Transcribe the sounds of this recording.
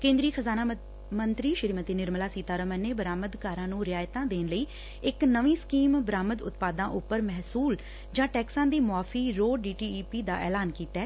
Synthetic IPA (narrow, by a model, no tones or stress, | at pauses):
kẽːnd̪ɾiːxʰəzaːna | mənt̪ɾiːʃəɾiːmət̪iːnɪɾməlaːsiːt̪aːɾəməneːbəɾaːməd̪kaːɾãːnũːɾɪaːjt̪ãːd̪eːnləiː | ɪknəʋĩːskiːmbəɾaːməd̪ʊ̰t̪paːd̪ãːʔʊpːəɾmɛɦsuːl | d͡ʒãːʈɛːksãːd̪iːmʊaːfʰiːɾoːɖiːʈiːpiːd̪aːʔɛ̰ːlaːnkiːt̪ɛː